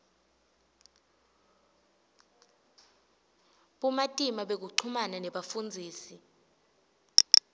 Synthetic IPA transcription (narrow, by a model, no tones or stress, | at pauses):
ɓumatʼimaɓek̬uǃʰumananɛɓafund͡zʱiːsi